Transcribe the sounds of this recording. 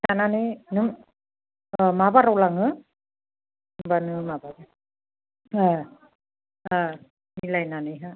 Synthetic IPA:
tananɯnɯm | mabaɾawlaŋɯ | mbanɯmabaɾa | a | a | nilajnanɯɦa

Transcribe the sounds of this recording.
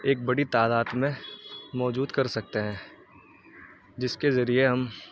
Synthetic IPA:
eːk̚bɐɽit̪aːd̪aːd̪mẽmɔːd͡ʒuːd̪kɐɾsɐk̚t̪eɦɛ̃ː | d͡ʒɪskezɐɾieɦɐm

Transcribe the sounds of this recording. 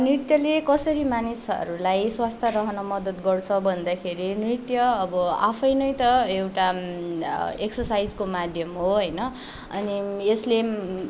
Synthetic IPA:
nrit̪jʌlekʌsʌɾimanisʌ̰ɾulajswast̪ʰaɾʌɦʌnʌmʌd̪ʌt̪ɡʌrt͡sʰʌbʱʌnd̪akʰeɾinrit̪jʌːbʌa̰pʰʌjnʌjt̪ʌewʈa | eksʌsajd͡zkomad̪ʱjʌmɦoɦʌjnʌ | ʌ̰niesle

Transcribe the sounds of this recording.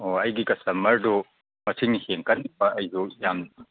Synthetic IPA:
oɐjɡikɐsɐmːɐɾdu | mɐtʰiŋniheŋkɐt̚nibɐɐjzojamn

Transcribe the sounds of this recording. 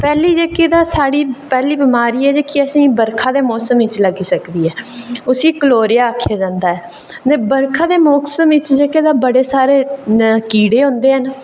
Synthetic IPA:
pɛːliːd͡ʒeːkeːd̪aːsaːɽiːpɛːliːbɪmaːɾiːɛːd͡ʒeːkiəsĩːbəɾkʰaːd̪eːmɔːsəmɪt͡ʃləɡiːsəkd̪iːɛːʊsiːkəloːɾɪjaːəkʰːejaːd͡ʒãːnd̪aːɦɛː | nebəɾkʰaːd̪eːmɔːksəmɪt͡ʃd͡ʒeːkeːd̪aːbəɽeːsaːɾeːkiːɽeːɦõːnd̪eːɦən

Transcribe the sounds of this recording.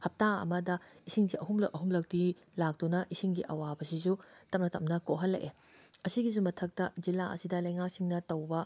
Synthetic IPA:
hɐp̚taɐ̰mɐdɐisiŋziʔɐɦumlɐk̚ʔɐɦumlɐk̚ti | lak̚dunɐʔisiŋɡiʔɐwabɐsisutɐmnɐtɐmnɐkoɦɐlːɐ̰ʔe | ɐsiɡis̬umɐtʰɐk̚tɐzilaɐ̰sidɐlɐjŋak̚siŋnɐtɐwbɐ

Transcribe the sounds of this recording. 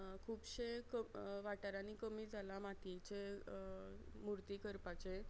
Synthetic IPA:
kʰuːbɕekəʋaʈaɾaniːkəmiːd͡zʱalamat̪it͡ɕe | muɾt̪iːkəɾpat͡ɕe

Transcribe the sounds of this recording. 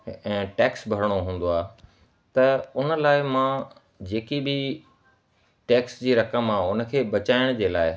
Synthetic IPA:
ɛ̃ːʈɛːksbʱɐɾɽ̃oɦũːn̆d̪oaː | t̪ɐʊnə̆laːɪmã | d͡ʑeːkibʱɪ | ʈɛːksd͡ʑiːɾɐkəmaːʊnə̆kʰeːbɐt͡ɕaːɪɽ̃d͡ʑeːlaːɪ

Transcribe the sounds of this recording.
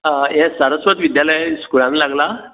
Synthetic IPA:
jɛsəɾəsʋət̪ʋid̪jaləjskulãnilaɡla

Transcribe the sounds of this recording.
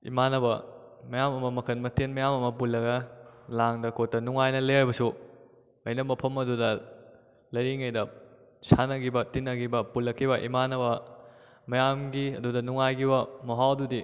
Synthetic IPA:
ḭmanɐbɐ | mɐjamɐmɐmɐkʰɐnmɐtenmɐjamɐmɐpulːɐɡɐlaŋdɐkʰot̚ːɐnuŋajnɐleaɾjbɐsu | ɐjnɐmbɐpʰɐmɐdudɐ | lɐjɾiŋɐjdɐ | sanɐɡibɐtinːɐɡibɐpulːɐkʰːibɐʔimanɐbɐ | mɐjamɡiɐ̰dudɐnuŋajɡibɐmɐɦawdudi

